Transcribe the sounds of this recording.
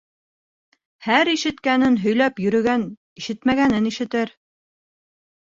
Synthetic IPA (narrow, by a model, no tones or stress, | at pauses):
hæɾiʃɘ̆t̪kænɘnɦɵ̆jlæpjɵ̆ɾɵ̆ɡæn | iʃɘt̪mæɡænɘniʃɘ̆t̪ɘɾ